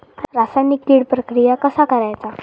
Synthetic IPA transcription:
ɾasajnik̚liːɽpɾəkɾijakəsakəɾajt͡sa

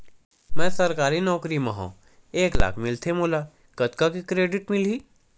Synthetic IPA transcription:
mɛ̃ːsɐɾkaːɾinɔːkɾiməɦõ̰ː | eːkla̰ːkʰmɪlt̪ʰemoːla | kɐt̪kakikɾeːɖɪʈmɪliː

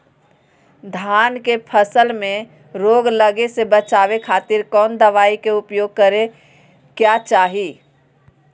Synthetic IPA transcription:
d̪ʱaːnkepʰəsəlmẽ | ɾoɡləɡesebət͡ʃaʋekʰaːt̪ɪɾkɔːnd̪əʋaːikeʊpjoːɡ̚kəɾe | kjat͡ʃaːɦi

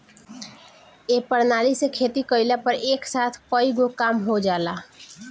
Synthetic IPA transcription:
epəɽnaːlisekʰet̪ikəɪlapəɾeːksaːt̪ʰpəiɡokaːmɦod͡ʒaːla

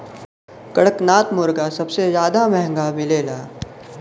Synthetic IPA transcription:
kɐɽəknaːt̪mʊɾɡasɐbsezjaːd̪amɛɦɛ̃ŋɡamɪleːlaː

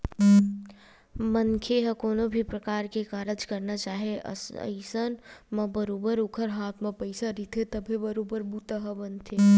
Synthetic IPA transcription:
mənkʰeɦəkoːnobʱipɾəkaːɾkekaːɾəd͡ʒkəɾnat͡ʃaːɦeʔə̰ə̰ɪsənmẽbəɾoːbəɾʊkʰəɾɦaːt̪ʰmẽpəɪsaɾit̪ʰet̪əbʱebəɾoːbəɾbuːt̪əɦəbənt̪ʰe

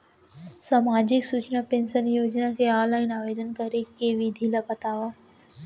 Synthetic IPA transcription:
saːmaːd͡ʑɪksut͡ʃnapẽːnsənjoːd͡ʒnakʰeːaːlaːɪnaːʋeːd̪ənkɐɾekeːʋid̪ʱilapɐt̪aːʋaː

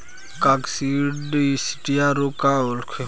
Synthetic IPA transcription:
kaksiɖisi̥ʈijaɾokaolkʰe

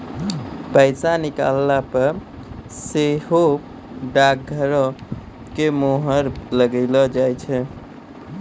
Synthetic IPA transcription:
pəɪsanika̰lːapəɾ | seɦo | ɖak̚ɡʱəɾɔ | kemoɦəɾləɡəɪlɔd͡ʒajt͡ʃʰɛ

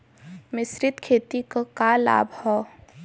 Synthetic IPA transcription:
mɪsɾɪt̪kʰeːt̪ikakala̰ːbʱhɔː

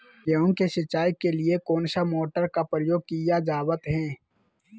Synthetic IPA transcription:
jeʊ̃ŋkeʃɪt͡ʃːaːjkeliekoːnʃamoːʈəɾkapəɾɪjoːɡ̚kijad͡ʒaːwət̪ɦɛ̃ː

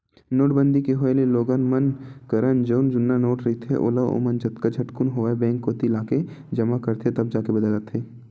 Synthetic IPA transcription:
noːʈbə̃nd̪ikeɦoːeleloːɡənmɐnkɐɾənd͡ʒoːnd͡ʒʊnːanoːʈɾɐɦit̪ʰḛʔo̰ːlaʋo̰mənd͡ʒɐt̪kad͡ʒʱɐʈkʊnɦoːaebɛ̃ːŋkːot̪ilaːked͡ʒɐmakɐɾt̪ʰet̪ɐb̚d͡ʒaːkebɐd̪əlat̪ʰeː

